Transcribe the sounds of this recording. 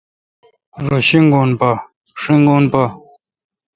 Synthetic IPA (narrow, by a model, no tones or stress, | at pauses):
ɾoɕiŋɡonpa | ʂiŋɡoːnpa